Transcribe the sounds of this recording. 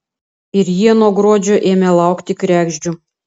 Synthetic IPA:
ɪɾjiɛnoɔɡɾoːd͡ʒʲoːʔeːmʲɛlˠɑˑʊkt̪ʲɪkɾʲæːɡʒʲd͡ʒʲu

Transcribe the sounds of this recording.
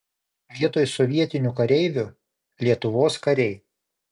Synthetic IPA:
ʋʲiɛt̪oːjsɔʋʲiɛt̪ʲɪnʲʊkɐɾʲɛɪʋʲʊ | lʲiɛt̪ʊʋoːskɐɾʲɛɪ

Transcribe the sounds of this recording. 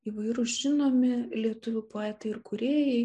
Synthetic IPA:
iːʋɐɪɾʊsʒʲɪnoːmʲɪlʲiɛt̪ʊʋʲʊpɑɪt̪ɐɪɪɾkʊɾʲeːjɛɪ

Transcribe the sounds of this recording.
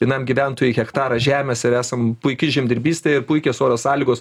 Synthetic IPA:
jʲɪnɐmɡʲiʋʲænt̪oːjɛɪxʲɛkt̪ɑːɾɐʒʲæːmʲeːsɪɾæːsɐmpʊɪkʲɪʒʲɛmʲd̪ʲɪɾʲbʲiːsʲt̪ʲeɪɾpʊɪkʲeːsoːɾʲosɑːlʲiːɡoːs

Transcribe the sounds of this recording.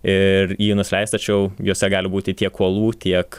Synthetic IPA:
ɪɾjiːnʊsʲlʲɛɪst̪ɐt͡ʃʲɛʊjoːsʲɛɡɑːlʲɪbuːt̪ʲɪt̪ʲiɛkʰːuɔlˠuːt̪ʲiɛk

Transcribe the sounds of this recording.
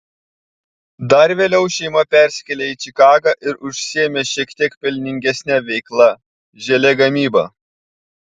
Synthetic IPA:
d̪ɐɾʋʲeːlʲɛʊʃʲɛɪmɐpʲæˑɾʲsʲɪ̥kʲɛlʲeiːt͡ʃʲɪkɑːɡɑʔɪɾʊʃʲsʲɪɛmʲeːʃʲiɛkt̪ʲiɛkpʲɛlʲnʲɪŋʲɡʲɛsʲnʲæʋʲɛɪklˠɐ | ʒʲɛlʲɛɡɐmʲiːbɐ̰ː

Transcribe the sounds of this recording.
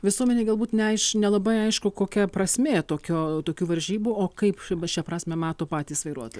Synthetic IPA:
ʋʲɪsuɔmʲɛnʲeːɡɐlˠbuːt̪nʲɛɐɪʃnʲɛlˠɐbɐɪɐɪʃkʊkoːkʲɛpɾɐsʲmʲeːt̪oːkʲoːt̪oːkʲuːʋɐɾʲʒʲiːbuoːkɐɪpʃʲɛpɾɑːsʲmʲɛmɑːt̪oːpɑːt̪ʲiːsʋɐɪɾuɔt̪oːj

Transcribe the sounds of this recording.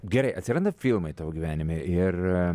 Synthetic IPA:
ɡʲɛɾɐɪʔɐt̪ʲsʲɪɾɐnd̪ɐfʲilˠmɐɪt̪ɑːʋoɡʲiʋʲæːnʲɪmʲeʔɪr

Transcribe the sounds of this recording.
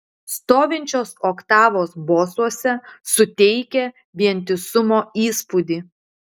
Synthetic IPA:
st̪oːʋʲɪnʲt͡ʃʲoːsoːkt̪ɑːʋoːsboːsuɔsʲɛsʊt̪ʲɛɪkʲɛ | ʋʲiɛnʲt̪ʲɪsʊmoːiːspud̪ʲiː

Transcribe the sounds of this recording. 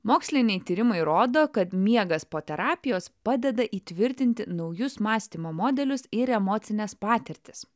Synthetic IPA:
moːksʲlʲɪnʲɛɪt̪ʲiːɾʲɪmɐɪɾoːd̪oːkɐt̪mʲiɛɡɐspoːt̪ʲɛɾɑːpʲɪjoːspɑːd̪ʲɛd̪ɐʔiːt̪ʲʋʲɪɾʲt̪ʲɪnʲt̪ʲɪnɒʊjʊsmɑːsʲt̪ʲimoːmoːd̪ʲɛlʲʊsɪɾɛmoːt̪sʲɪnʲɛspɑːt̪ʲɛɾʲt̪ʲɪ̥s

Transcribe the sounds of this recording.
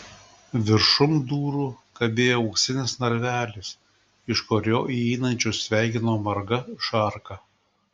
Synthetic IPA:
ʋʲɪɾʃʊmd̪uːɾuːkɐbʲeːjoʊksʲɪnʲɪsnɐɾʲʋʲæːlʲɪs | ɪʃkoːɾʲoːʔiːiːnɐnʲt͡ʃʲʊsʲʋʲæˑɪkʲɪnoːmɐɾɡɐʃɐɾkɐ

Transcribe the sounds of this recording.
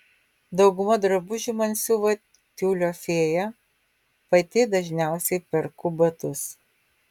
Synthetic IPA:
d̪ɒʊɡʊmɐd̪ɾɐbʊʒʲɪmɐnʲsʲuʋɐ | t̪ʲuːlʲoːfʲeːjɛ | pɐt̪ʲɪd̪ɐʒʲnʲæˑʊsʲɛɪpʲɛɾkʊbɐt̪ʊs

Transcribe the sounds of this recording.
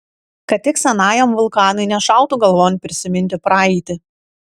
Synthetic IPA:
kɐt̪̚ʲt̪ʲɪksʲɛnɑːjoːmʋʊlˠkɑːnɐɪnʲɛʃɑˑʊt̪uːɡɐlˠʋoːnʲpʲɾʲɪsʲɪmʲɪnʲt̪ʲɪpɾɑːɛɪt̪ʲɪ

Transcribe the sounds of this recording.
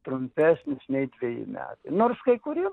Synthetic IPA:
t̪ɾʊmʲpʲæsʲnʲɪsnʲɛɪdʲʋʲɛjɪ̰mʲæ̰ːt̪ɐɪnoːrskɐɪkʊɾʲi

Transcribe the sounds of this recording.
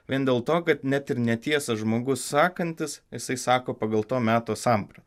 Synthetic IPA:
ʋʲiɛnd̪ʲeːlˠt̪oːkɐt̪nʲæt̪ɪɾnʲɛt̪ʲiɛsɐʒmoːɡʊssɑːkɐnʲt̪ʲɪsjɪsɐɪsɑːkoːpɑːɡɐlˠt̪oːmʲæːt̪oːsɐmpɾɐt̪

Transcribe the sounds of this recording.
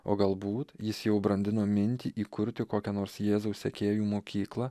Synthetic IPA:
o̰ːɡɐlˠbuːt̪jɪsjɛʊbɾɐnʲd̪ʲɪnoːmʲɪnʲt̪ʲiːʔiːkʊɾʲt̪ʲɪkoːkʲɛnoːɾsjeːzɐʊssʲɛkʲeːjuːmoːkʲiːklˠɐ

